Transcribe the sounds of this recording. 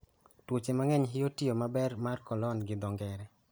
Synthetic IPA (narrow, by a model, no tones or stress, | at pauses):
twʊt͡ʃemaŋɛɲɦɪotiomabɛrmarkɔlɔnɡɪd̪ɔŋɡɛɾɛ